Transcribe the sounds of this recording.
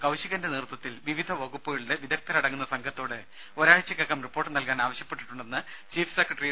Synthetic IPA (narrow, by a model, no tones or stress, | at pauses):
kɐwɕiɣɐndenirt̪wɐt̪ːilʋiʋid̪ʱɐʋɐɣupːɐɣɐɭuɽeʋid̪ɐk̚t̪ɐlɐɽɐŋːunːɐsɐŋɡʰʱɐt̪ːo̞ːɽɨ | oɾaːɻt͡ɕːɐkːɐkːɐmripːo̞ːrʈːɨnɐlkaːnaːʋɐɕjɐpːeʈːiʈːuɳɖenːɨ | t͡ɕiːfsekrɐʈri